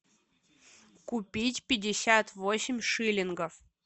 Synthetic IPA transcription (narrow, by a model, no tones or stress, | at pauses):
kʊpʲitʲpʲɪdʲɪsʲat̪vosʲɪmʲʂɨlʲɪnɡəf